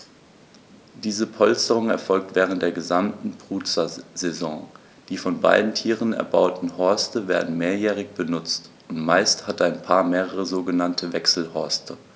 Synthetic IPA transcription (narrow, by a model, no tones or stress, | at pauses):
d̥iːzəpʰɔlstəʁ̞ʊŋɛɐfɔlk̚tv̥ɛːʁ̞ən̩td̥eːɐɡəzamtn̩bʁ̥uːt͡sɐzezɔ̃ː | d̥iːfɔnba̰ɪdn̩tʰiːʁənɛ̰ɐba̰ʊtn̩hɔɐstəveːɐdn̩meːɐjɛːʁ̞ɪçb̥ənʊt͡st | ʊntmaɪsthataɪnpʰaːɐmeːʁəʁəzoːɡənantʰəvɛksl̩hɔɐstʰə